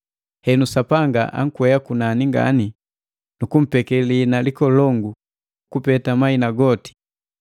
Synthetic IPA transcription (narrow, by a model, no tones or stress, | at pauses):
hɛnusapaŋɡaʔa̰ŋ̩kwɛjakunaniŋɡa̰ni | nukum̩pɛkɛlinalikɔlɔŋɡu | ukupɛtamainaɡɔti̥